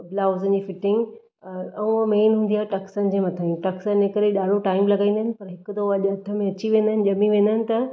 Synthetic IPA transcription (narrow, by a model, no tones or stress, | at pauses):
blaːʊzənɪ̆d͡ʑiːfɪʈɪ̃ŋɡ | ɐũmeːnɦũːnd̪iaːɦeʈɐksənɪ̆d͡ʑeːmɐt̪ʰaĩʈɐksənnekəɾeɗaːɽoʈaːɪmlɐɡãĩːnd̪əɦɪnɪ̆pɐɾɦɪkʊt̪ʰoɐʄɐt̪ʰə̆mẽɐt͡ɕiʋẽːnd̪əɦɪnɪ̆ʄɐmiʋẽːnd̪əɦɪnɪ̆t̪ɐ